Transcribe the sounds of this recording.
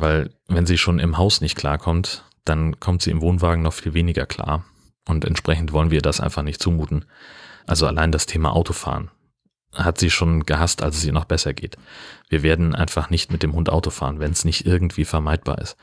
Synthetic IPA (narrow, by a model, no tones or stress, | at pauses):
vaɪlvɛnziːʃoːnɪmɦaʊsnɪçt̚kʰl̥a̰ːɐkʰɔmt | d̥ankʰɔmtz̥iːɪmvoːnvaːɡŋ̩nɔχfiːlveːnɪɡɐkʰl̥a̰ːɐ | ʔʊntɛ̰ntʃpʁ̥ɛçn̩tv̥ɔlənviːɐdasʔa̰ɪnfaχnɪçtt͡suːmuːtn̩ʔalzoa̰laɪndastʰeːma̰ʔa̰ʊtʰofa̰ːʁən | hatz̥iːʃoːnɡ̥əɦastʔa̰lsɛsʔiːɐnɔχb̥ɛsɐɡḛːtviːɐveːɐdn̩ʔa̰ɪnfaχnɪçtmɪt̚d̥eːmhʊntʔa̰ʊtofa̰ːʁənvɛnsnɪçtʔɪɐɡŋ̩tv̥iːfɛɐmaɪt̚b̥a̰ːɐɪ̰st